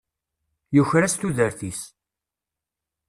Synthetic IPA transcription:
juçɾast̪uðəɾθis

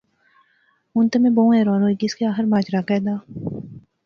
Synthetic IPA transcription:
ʊnt̪ɐmẽboũɛːɾoːnoːiɡɪskeaːxəɾmaːd͡ʒɾakɛːd̪aː

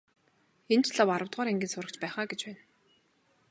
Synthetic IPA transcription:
ent͡ɕʰɮawaɾə̆wt̪ʁaːɾeŋɡʲiːnsʊɾə̆kt͡ɕpæːχaːɡet͡ɕpæːn

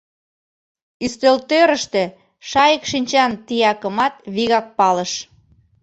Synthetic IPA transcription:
yst̪ølt̪øɾə̆ʃt̪ĕ | ʃɑjəkʃinʲt͡ɕɑnt̪ijɑkə̆mɑt̪βiɣɑk̚pɑləʃ

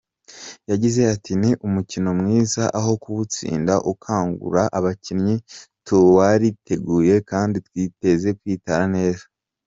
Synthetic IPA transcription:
jaɟize̞atʰiniʔumucino̞mŋiːzaʔaɦo̞kuβut͡sḭːndaʔukʰaːŋɡṵɾaʔaβacinɲituwaɾitʰe̞ɡuːje̞kaːnditwiːte̞ze̞kwiːtaɾane̞ːzḁ

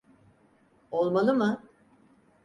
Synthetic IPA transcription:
o̞lˠmalˠɯmɯ

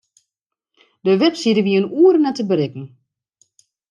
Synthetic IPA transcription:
dəʋɛpsidəʋiənuːəɾənɛtəbəɾɪkn̩

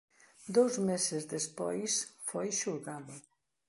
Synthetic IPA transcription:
d̪owzmesɪzðespɔ̰jsfojʃuɾɣaðʊ

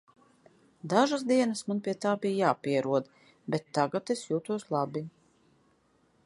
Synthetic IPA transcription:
d̪aʒas̬d̪iɛnasmanpʲiɛt̪aːbijjaːpiɛɾuɔd̪ | bet̪ːaɡat̪esjuːt̪uɔslˠabi

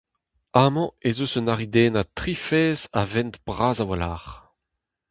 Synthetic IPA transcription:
aːmɑ̃ezosənaʁid̪eːnat̪ʁifɛːza̰vɛnt̪b̥ʁaːzawalaːʁ

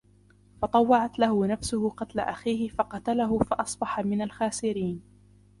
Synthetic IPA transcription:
fɑt̪ˤɑwːɑʕat̪lahʊnafsʊhʊqɑt̪la̰ʔaxiːhɪfɑqɑt̪alaɦʊfɑʔɑsˤbɑħamɪnalxaːsɪɾiːn

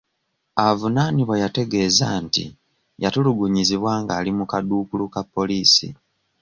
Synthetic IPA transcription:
avunaːniβwajate̞ɡe̞ːzantḭ | jatuluɡuɲiziβwaːŋɡaːlimukaduːkulukapːo̞liːsḭ

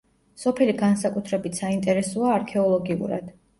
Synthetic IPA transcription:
sɔpʰɛliɡansakʼut̪ʰɾɛbit̪ʰsaint̪ʼɛɾɛsɔaːɾkʰɛɔlˠɔɡiṵɾa̰d̪̥

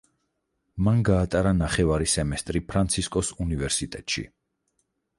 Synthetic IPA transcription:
manɡaːt̪ʼaɾanaχɛvaɾisɛmɛst̪ʼɾipʰɾant̪sʰiskʼɔsunivɛɾsit̪ʼɛt̪ʼʃḭ

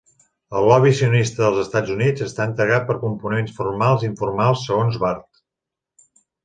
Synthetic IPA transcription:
əlˠlɔβisiunist̪əðəlˠzəst̪ad͡zunid͡zəst̪aənt̪ɾəɣat̪̚pəɾkumpunensfurmalˠziɱfurmalˠsːəɣonzβart̪

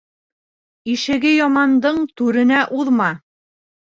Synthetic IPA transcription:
iʃɘ̆ɡɘjɒmɑnd̪ɤɴt̪ʉɾɘ̆næʔuðmɑ

